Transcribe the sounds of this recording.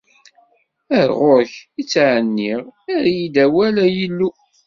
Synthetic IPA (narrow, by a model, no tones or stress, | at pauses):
æɾʁoɾçit͡sːʕənːiʁæɾjid̪æwælæjəlːu